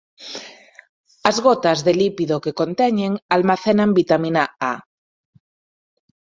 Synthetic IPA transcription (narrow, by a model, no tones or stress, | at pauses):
azɣot̪azðelipiðokekont̪eɲeŋalmaθenambit̪amĩnaa̰